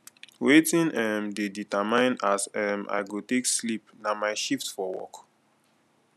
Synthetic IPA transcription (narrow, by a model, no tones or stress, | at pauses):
wetĩnʔɛmdeditəmãɪ̃nasɛma̰ɪɡotekslipnamaɪʃiftfɔwɔ̰k